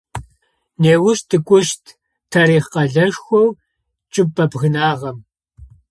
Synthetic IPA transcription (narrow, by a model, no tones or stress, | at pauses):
neːwʊʃtʰɨkʷʼʊʃtʰ | tʰɐɾiːχqɐɮɐʂxʷɔw | t͡ʃʼɪpʼːɐbɣɨnaːʁɐm